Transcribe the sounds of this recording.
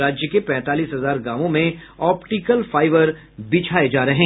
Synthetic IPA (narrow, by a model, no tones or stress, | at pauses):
aːd͡ʒjəkepɛ̃ːt̪aːliːsɦɐzaːɾɡaːmõmẽ | ɔːpʈikəlfaːɪʋəɾ | bɪt͡ʃʰaːed͡ʒaːɾɐɦɛ̃ː